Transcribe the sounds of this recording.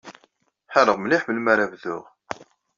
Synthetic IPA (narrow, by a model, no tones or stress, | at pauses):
ħəɾəʁməliħbəlmæɾævðʊ̰ʁ